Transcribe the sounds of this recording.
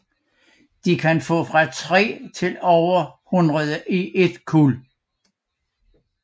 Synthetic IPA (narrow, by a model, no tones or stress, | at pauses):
d̥ikʰænfɔ̰̽ːfʁɑ̈t͡sʰʁɛ̰ːt͡sʰe̝lɒʊɐhunʁɐðˠəʔiʔe̝d̥kʰul